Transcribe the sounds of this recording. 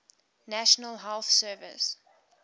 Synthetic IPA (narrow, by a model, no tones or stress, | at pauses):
næʃənəlɦɛlθsɜːvɪ̰s